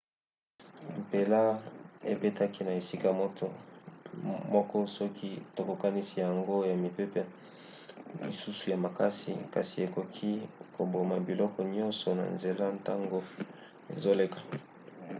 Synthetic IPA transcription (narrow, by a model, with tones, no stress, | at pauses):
m̩˨pe˨la˦ḛ˨pe˦ta˦ki˦na˨e˨si˦ka˨mɔ˦t | mɔ˦kɔ˦sɔ˦kʰi˦to˨ko˨ka˦ni˦si˨ja˨ŋɡo˦ja˨mi˨pe˦pɛ˦ | lḭ˨su˦su˨ja˨ma˨ka˦sḭ˨ka˨si˨e˨ko˨kʰi˦ko˨bo˨ma˨bi˨lɔ˦kɔ˨ɲɔ̃˦nsɔ˨na̰˨nze˨la˦nta˦ŋɡo˦ | ḛ˨zo˦le˦kḁ˨